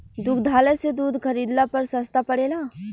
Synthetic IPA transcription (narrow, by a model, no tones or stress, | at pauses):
d̪ʊkʰd̪ʱaːləsed̪uːd̪ʱkʰɐɾiːd̪lapɐɾsɐst̪apɐɽeːlaː